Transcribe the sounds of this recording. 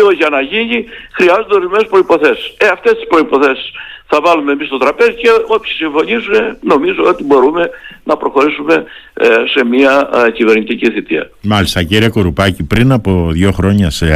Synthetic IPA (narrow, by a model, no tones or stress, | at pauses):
oʝɐnɐʝiɲixɾiɐzond̪eo̞ɾizme̞nespɾo̞ipo̞θe̞si̥seɐft̪e̞st̪ispɾo̞ipo̞θe̞si̥sθɐvɐlumemist̪o̞t̪ɾɐpe̞zice̞o̞pçi̥siɱfo̞ɲizume̞no̞mizoot̪ibo̞ɾume̞nɐpɾo̞xo̞ɾisume̞se̞miɐcive̞ɾɲit̪iciθit̪iɐ̰mɐlist̪ɐciɾiɐko̞ɾupɐcipɾinɐpo̞ðʝo̞xɾo̞ɲɐse